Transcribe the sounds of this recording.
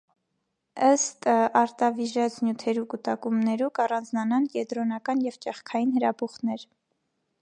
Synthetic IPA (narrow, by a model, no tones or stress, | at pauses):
əst̪ɑɾt̪ɑviʒɑt͡snjut̪ʰɛɾukut̪ɑkumnɛɾukɑrɑnd͡znɑnɑnkɛd̪ɾɔnɑkɑnjɛvt͡ʃɛχkʰɑjinhəɾɑbuχnɛɾ